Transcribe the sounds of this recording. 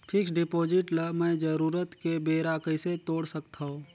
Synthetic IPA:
pʰɪksɖɪpoːd͡ʒɪʈləmɛ̃ːd͡ʒəɾuːɾət̪kebeːɾakəɪset̪oːɽsəkt̪aɦõː

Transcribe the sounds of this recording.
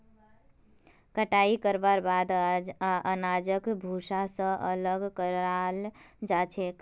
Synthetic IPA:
kəʈaikəɾbaɾbad̪ʔənad͡ʒəkbʱusasə̃ʔələɡkəɾald͡ʒat͡ʃʰek

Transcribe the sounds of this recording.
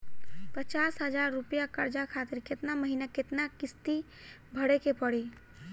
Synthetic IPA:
pət͡ʃasɦəd͡ʒaɾːupjakəɾd͡ʒakʰat̪ɪɾket̪naməɦinaket̪nakɪst̪i | bʱəɽekepəɽi

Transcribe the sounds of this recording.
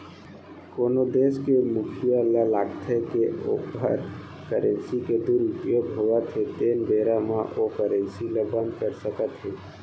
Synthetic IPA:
koːnod̪eːskemʊkʰijalalaːɡt̪ʰekeo̰bʱə̰ɾ | kəɾə̃nsiked̪uːɾipjoːɡɦoːɡət̪ʰːet̪eːnbeːɾamãʔokəɾə̃nsiləbə̃nd̪kəɾsəkət̪ɦeː

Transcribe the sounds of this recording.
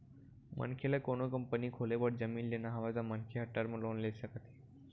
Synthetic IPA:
mʔə̰nkʰelakoɽ̃okəmpəniːkʰolebəʈ̚d͡zəmiːnlenaɦaʋad͡zamənkʰeɦəʈːaɾməlonleɕakat̪ʰe̥

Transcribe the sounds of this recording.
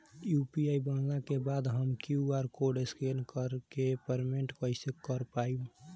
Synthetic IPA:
jupiaibənlakebad̪ɦəmkjiuaɾkoɖeskenkəɾkepəɾmeɳʈkəɪsekəɾpajũ

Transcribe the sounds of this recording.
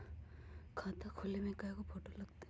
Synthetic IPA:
kʰaːt̪akʰʊlimẽkaekopʰoːʈolɐɡ̚t̪e

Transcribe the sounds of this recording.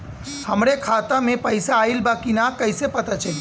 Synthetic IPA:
həmɾekʰat̪amẽpəɪsaːilbakinakəɪsepət̪at͡ʃʰəi

